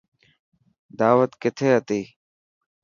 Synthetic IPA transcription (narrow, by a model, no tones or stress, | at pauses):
d̪aːʋət̪kɪt̪ʰeːɦət̪iː